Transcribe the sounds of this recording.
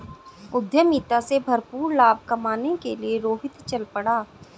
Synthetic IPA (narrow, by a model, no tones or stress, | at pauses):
ʊd̪jəmiːt̪asebʱɐɾpuːɾlaːb̚ʱkɐmaːnekelieɾoːɦɪt̪t͡ʃɐlpəɽaː